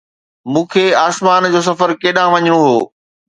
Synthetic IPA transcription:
mũːkʰeːaːsmaːnd͡ʑoːs̬ɐfəɾkeːɗãʋɐɲəɽ̃õɦoː

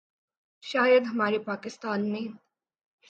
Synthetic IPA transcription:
ʃaːjɐd̪ɦmaːɾipaːkɪst̪aːnmiːn

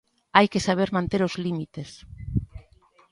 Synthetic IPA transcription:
ajkesaβ̞eɾmãnt̪eɾozlimit̪es

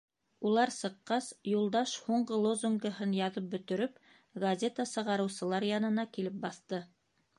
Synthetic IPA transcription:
ulˠɑɾsɤ̆qːɑsjulˠd̪ɑʃhuɴɢɤlˠozuŋɡəɦɤnjɑðɤp̚bɵ̆t̪ɵ̆ɾɵp | ɡɐzʲet̪əsɤ̆ʁɑɾɤ̆wsɤ̆lˠɑɾjɑnɤ̆nɑkilɘp̚bɑθt̪ɤ

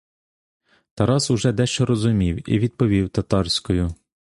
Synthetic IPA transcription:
t̪ɐɾɑsʊʒɛd̪ɛʃt͡ʃɔɾɔzʊmʲiwḭʋʲid̪̚pɔʋʲiwt̪ɐt̪ɑrsʲkɔjʊ

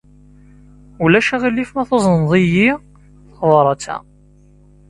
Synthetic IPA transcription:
ulæʃæʁilːifmæθozˤənðˤiji | θðˤɾˤɑt͡sːæ̰

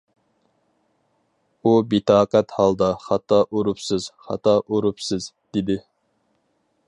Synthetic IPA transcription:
ubit̪ɑːqæt̪hɑlˠd̪ɑχɑt̪ɑʔoɾupsɨz̥χɑ̰t̪ʰɑʔoɾupsɪz̥d̪̥ɪd̪ɪ

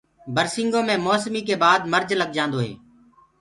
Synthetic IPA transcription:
bəɾsɪ̃ŋɡõːmẽːmɔːsmiːk̬eːbaːd̪məɾd͡ʒləɠ̚d͡ʒãːnd̪oːɦḛː

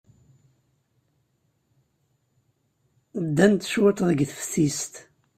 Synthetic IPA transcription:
d̪ːænt̪ʃwæt̪ðəɡθfθist̪

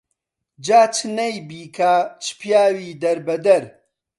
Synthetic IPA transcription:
d͡ʒaːt͡ʃʰɨnɐjbiːkʰaːt͡ʃʰɨ̥pjaːwiːd̪ɐɾbɐd̪ɐɾ

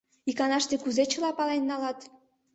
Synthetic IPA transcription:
ikɑnɑʃt̪ekuzet͡ɕə̆lɑpɑlenːɑlɑt̪

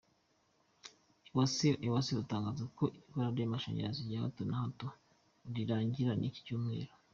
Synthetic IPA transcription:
asʔiwasiutaːŋɡaːzakoʔiikaɾaɾemaʃa̰ɲa̰ɾaziɟaha̰tonahato | ɾiɾaːɲɟiɾanʔici̥cuːmŋe̞̰ːɾo

